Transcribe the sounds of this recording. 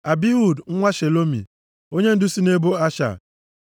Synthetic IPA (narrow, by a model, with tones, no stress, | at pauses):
a˨bi˦ɦu˦˨dŋ̩˦ŋʷa˦ʃe˨lo˦mḭ˨ | o˦ɲe˦n̩˦dʊ˦si˦ne˦bo˦a˦ʃa̰˨